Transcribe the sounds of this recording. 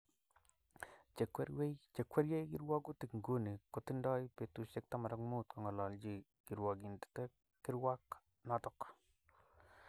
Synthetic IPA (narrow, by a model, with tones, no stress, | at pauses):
t͡ʃe˨kɾe˦t͡ʃe˨kwɛ˦ɾje˦jki˦ɾwa˦ɡu˦ti˨kŋɡo˦ni˨ko˨tɪ˦ndɔ˦jpe˨tu˦ʃe˦k̚ta˦ma˨ɾɔ˦kmu˦tkɔ˨ŋɔ˨lɔ˨ld͡ʒi˦ | ki˨ɾwa˨ɡi˨nti̥˨tɛ˦ | kːɪ˦ɾwa˦k | nɔ˦tɔ˨k